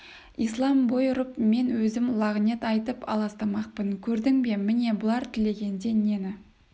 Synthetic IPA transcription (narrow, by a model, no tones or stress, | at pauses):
islˠɑmbojɾəpme̞nwɵzɪmlˠɑʁnet̪ɑjt̪əpʰɑ̰lˠɑst̪ɑmɑq̚pəŋkʲʰɵɾd̪ɪŋbe̞mɪne̞bʊlˠɑɾt̪ʰɪle̞ɡʲe̞nd̪e̞ne̞nɪ